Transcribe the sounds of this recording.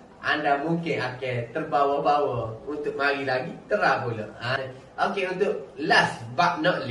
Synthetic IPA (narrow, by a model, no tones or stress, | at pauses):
ʔandamuŋkɪnaket̪ərbawəbawəunt̪ʊk̚maɾilaɡit̪əɾapulə̰a | ʔokeunt̪ʊʔ̚lasbaʔ̚nɔʔl